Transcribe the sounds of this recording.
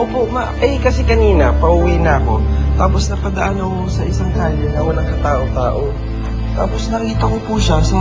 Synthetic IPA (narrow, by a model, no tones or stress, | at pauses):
ʔoːpomaʔɛjkɐsɛkɐniːnɐpɐʔuwinɐɐko̞t̪aːp̬o̞snɐpɐd̪ɐʔanokosɐʔɪsaŋd̪aaːlonɐkonɐŋkɐt̪aːʔo̞ŋt̪aːʔo | t̪aːposnɐkiːt̪ɐko̞puʃasɐ